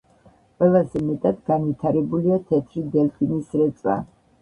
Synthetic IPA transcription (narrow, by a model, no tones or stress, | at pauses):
qʼwɛlˠazɛmɛt̪ʼad̪ɡanvit̪ʰaɾɛbuliat̪ʰɛt̪ʰɾid̪ɛlpʰinisɾɛt̪sʼwa̰